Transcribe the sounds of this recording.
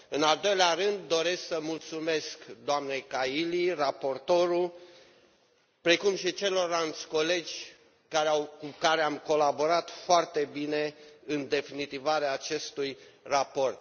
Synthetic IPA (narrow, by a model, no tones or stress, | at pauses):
ɨnald̪o̞jleaɾɨnd̪ːo̞ɾe̞sksəmult̪sume̞skd̪oamnejkailirapo̞rt̪o̞ɾu | pɾekumʃit͡ʃe̞lo̞ɾant̪sʲko̞le̞d͡ʒʲ | kaɾeawkukaɾeamko̞labo̞ɾat̪foart̪e̞bine̞ɨnd̪e̞finit̪ivaɾeaːt͡ʃe̞st̪ujrapo̞rt̪̚